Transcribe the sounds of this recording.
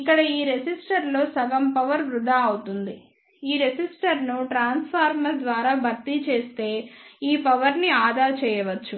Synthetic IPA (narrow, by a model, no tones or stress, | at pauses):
ikːɐɽɐiːɾed͡ʒisʈɐɾlo̞ːsɐɡɐmpɐʋɐɾʋɾud̪aːɐwut̪und̪i | iːɾesisʈɐɾnuʈɾaːnspʰaːɾmɐɾd̪ʋaːɾaːbʱɐɾt̪it͡ʃe̞ːst̪e̞ːiːpɐʋɐɾniaːd̪aːt͡ʃɛːjɐʋɐt͡ʃːu